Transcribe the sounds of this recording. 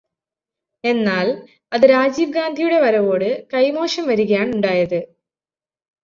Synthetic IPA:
e̞nːaːl | ɐðɨɾaːd͡ʑiːbɡaːnd̪ʱijuɽe̞ʋɐɾɐʋo̞ːɽɨkɐjmo̞ːʂɐmʋɐɾuɣɐjaːɳuɳɖaːjɐðɨ

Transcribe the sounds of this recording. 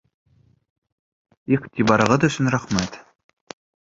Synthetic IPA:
iχt̪ʲʰibɑɾɤ̆ʁɤd̪ɑ̆ʃɘ̆nræχmæt̪

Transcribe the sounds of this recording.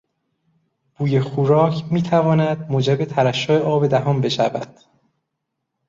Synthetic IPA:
b̥uːjexuːɾɒːcʰmiːt̪ʰævɒːnæd̪̚moːd͡ʒebe̞t̪ʰæɾæʃːoeʔɒːbe̞d̪æɦɒːmbe̞ʃæ̰væ̰d̪̥

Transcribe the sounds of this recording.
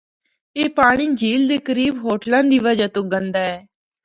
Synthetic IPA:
eːpaːɽ̃iːd͡ʒiːld̪eːkəɾiːbɦoːʈlãːd̪iːʋəd͡ʒaːt̪ʊɡə̃nd̪aːɛː

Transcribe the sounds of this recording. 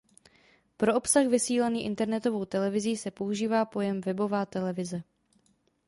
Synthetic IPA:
pɾo̞opsaxvɪsiːlaniːʔɪ̰nt̪ɛɾnɛt̪o̞vo̞wt̪ɛlɛvɪziːsɛpo̞uʒiːvaːpo̞jɛmvɛbo̞vaːt̪ɛlɛvɪzɛ

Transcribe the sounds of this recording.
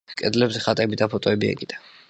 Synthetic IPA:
kʼɛd̪lɛbzɛχat̪ʼɛbid̪apʰɔt̪ʼɔɛbia̰ɡʼid̪̥a

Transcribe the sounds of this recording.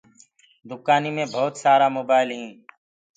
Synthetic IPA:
d̪ʊkaːniːmẽːbʱɔːt̪saːɾaːmoːbaːɪlɦĩː

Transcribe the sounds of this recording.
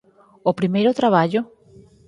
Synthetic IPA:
opɾimejɾot̪ɾaβ̞aʎo

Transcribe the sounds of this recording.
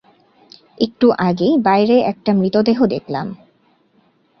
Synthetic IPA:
ek̚ʈuʔaɡebajɾeʔɛk̚ʈamɾit̪od̪eɦod̪ekʰla̰m

